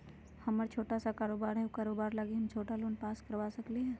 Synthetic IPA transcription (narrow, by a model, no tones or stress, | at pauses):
hɐməɾt͡ʃʰoːʈasakaːɾoːbaːɾɦɛokaːɾoːbaːɾlaɡiɦɐmt͡ʃʰoːʈaloːnpaːskəɾʋaːsɐkliɦɛ̃ː